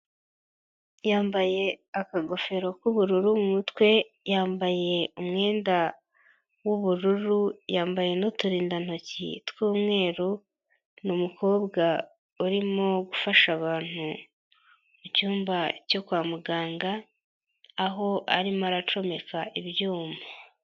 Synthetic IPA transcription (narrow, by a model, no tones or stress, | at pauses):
jaːmbaje̞akaɡo̞fe̞ɾo̞kuβuɾuɾumumutwe̞ | jaːmbaje̞umŋe̞ːnda | wuβuɾuɾujaːmbaje̞notuɾiːndan̥o̞cḭtwuːmŋe̞ːɾu | numukʰo̞ːbɡa | uɾimo̞ɡufaʃaβaːn̥hu | mucuːmbaco̞kwaːmuɡaːŋɡaː | ɦo̞ʔa̰ɾimaɾat͡ʃo̞me̞kaʔiβjuːma